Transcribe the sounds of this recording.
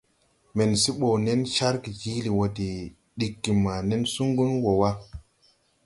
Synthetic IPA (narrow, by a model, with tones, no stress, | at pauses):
me˨nsi˦ɓo˨wne˦nʃa˦ɾki˨d͡ʒi˦li˨wo˨di˨ | ɗi˨kːi˨ma˨ne˦nsu˦ŋɡu˦nwo˨wa˦